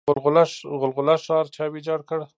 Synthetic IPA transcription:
ʊlɣʊlaɣʊlɣʊlaʂɑɾt͡ʃʰɑwid͡ʒɑɽkəɽ

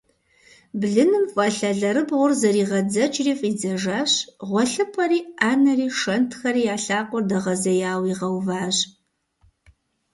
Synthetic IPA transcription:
bɮɨnɨmfʼɐɬɐɮɐɾɨbʁʷʊrzɐɾiːʁɐd͡zɐt͡ʃʼriːfʼiːd͡zɐʒaːɕʁʷɔɬɨpʰʼɐɾiːaːnɐriːʂɐntʰxɐɾiːjaːɬaːqʷʼɔrdɐʁɐzɐjaːwiːʁɐwvaːʑ

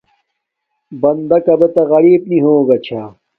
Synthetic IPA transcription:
bɐnd̪ɐkɐbet̪ɐɣɐɾiːb̚niɦoːɡɐt͡ɕʰaː

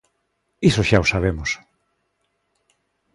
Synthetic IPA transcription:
isoʃaosaβ̞emos

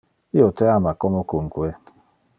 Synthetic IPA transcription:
iotɛamakɔmokoŋ̩kuɛ

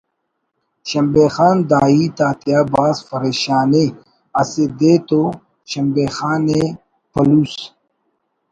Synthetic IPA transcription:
ɕɐmbeːxaːnd̪aːiːt̪aːt̪ijaːbaːsfɐɾeːɕaːne | ɐsed̪eːt̪o | ɕɐmbeːxaːne | pɐluːs

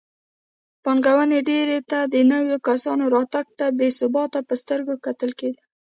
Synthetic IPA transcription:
pɑŋɡawaneɖeɾet̪ad̪ənəwjokasɑnoɾɑt̪aɡt̪abesʊbɑt̪apəst̪əɾɡokat̪əlked̪ə

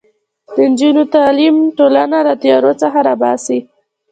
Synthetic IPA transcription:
d̪̥ənd͡ʒunot̪ɑlimʈolanalat̪ajɑɾot͡səxaɾabɑsi

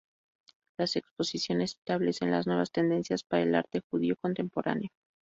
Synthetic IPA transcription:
lase̞kspo̞sisjo̞ne̞se̥st̪aβle̞se̞nla̰znwe̞β̞ast̪e̞nd̪e̞nsjaspaɾaelaɾt̪e̞xuð̞io̞ko̞nt̪e̞mpo̞ɾa̰neo̞

